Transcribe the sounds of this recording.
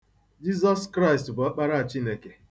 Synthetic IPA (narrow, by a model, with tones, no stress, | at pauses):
d͡ʒi˦zɔ˦skɾa˦ɪ˨stbʊ˨a˦k͡pa˦ɾa˦a˨t͡ʃi˦ne˨ke˨